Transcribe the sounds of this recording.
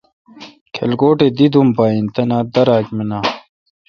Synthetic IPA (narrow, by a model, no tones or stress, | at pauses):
kʰḛlɡoːʈed̪id̪umbaːint̪ɐnaːd̪ɐɾaːkmenaː